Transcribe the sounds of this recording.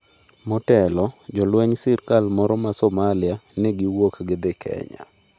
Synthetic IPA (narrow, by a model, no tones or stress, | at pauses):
mɔtɛlɔd͡ʒɔlwɛɲsɪrkalmɔɾɔmasɔmalɪanɛɡɪwokɡed̪ekʰɛ̰ɲa̰